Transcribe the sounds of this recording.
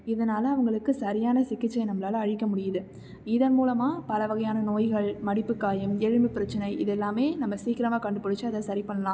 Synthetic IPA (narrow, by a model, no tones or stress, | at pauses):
ɪðɐnaːlɐɐʋɐŋɡɐɭɯkːɯsɐɾɪjaːnɐsɪkːɪt͡ʃːɐɪnɐmːɐlaːlɐːɻɪkːɐmʊɽɪjɐðɯ | ɪðɐnmuːlɐmaːpɐlɐʋɐɣɐjaːnɐnoːjɣɐɭmɐɽɪpːɯkːaːjɐmɛɻɯmɯpɪɾɐt͡ʃːɐnɐɪʔɪðɛlːaːmeːnɐmːɐsiːkɪɾɐmaːkɐɳɖɯpːɐɽɯt͡ʃːɯɐðɐsɐɾɪpɐɳːɐlãː